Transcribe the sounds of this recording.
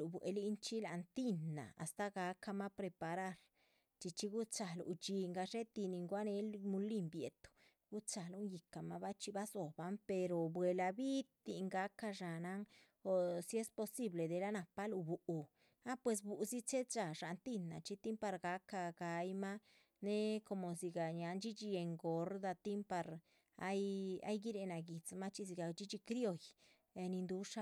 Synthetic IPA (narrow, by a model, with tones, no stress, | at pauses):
lu˨bwḛ˧li˦nt͡ʃi˦la˨nt̪i˦nːa̰˨a̰˨st̪a˦ɡa˧˦ka˧ma˦pɾe˧pa˧ɾa˦˧ɾ | t͡ʃi˧t͡ʃi˧ɡu˦t͡sa˨lṵ˨t͡ʃi˧ŋɡa˧ʂe˦t̪i˧ni˧ŋɡwa˦ne˧˦lmu˧li˦mbje˨t̪u̥˨ | ɡ̥u˦t͡sa˨lu˦ŋji˨ka˨ma˦ba˦t͡ʃi˧ba˦zo˨ba˦mpe˧ɾo˨bwe˨la˧bi˦t̪i˧ŋɡa˨˦ka˧ʃa˨na˦ŋ | o˨si˧˦e˦spo˧si˦ble˨d̪e˨la˦na˨pa˦lu˧bu˨ʔu˨ | a˦pwe˨˧s̬bu˨zi˦t͡ʃe˦d̪t͡ʃa˨ʂa˨nt̪i˦nːa̰˨t͡ʃi˦t̪i˦mpa˧ɾɡa˨˦ka˧ɡa˨jma˦ | ne˦ko˧˨mo˨zi˧ɡa˨ɲa˨˦nd͡ʒi˦t͡ʃi˧je˧ŋɡo˨˦ɾd̪a˧t̪i˦mpa˧ɾ | a̰˦ja̰˦jɡi˦ɾe˧na˨ɡi˨t͡sma˦t͡ʃi˧z̬i˧ɡa˨t͡ʃi˦t͡ʃi˧kɾjo˧j | e˧ni˧nd̪u˧˦ʂa˦